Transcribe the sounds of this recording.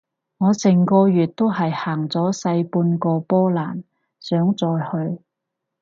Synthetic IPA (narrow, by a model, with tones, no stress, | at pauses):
ŋɔː˨˧sɪ˨˩ŋkɔː˧jyː˨t̚t̪o˥whɐ˨jhaː˨˩ŋt͡sɔː˨˥sɐ˧jpuː˧nkɔː˧pɔː˥laː˨˩n | sœː˨˥ŋt͡sɔː˨jhɵ˧ɥ